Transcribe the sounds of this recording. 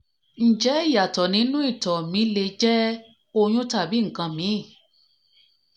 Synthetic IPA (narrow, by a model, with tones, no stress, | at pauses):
n̩˨d͡ʒɛ˨˦i˦˨ja˨tɔ˨nĩ˨˦nũ˦i˦˨tɔ˨mĩ˨˦le˧d͡ʒɛ˦ | o˧j̃ũ˦ta˦˨bi˨˦ŋ̩˨kã˧mĩ˨˦˨